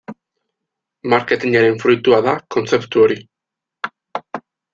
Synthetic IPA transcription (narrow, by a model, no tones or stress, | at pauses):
maɾke̞t̪iɲaɾe̞ɱfɾujt̪uaðako̞nt͡se̞pt̪uo̞ɾi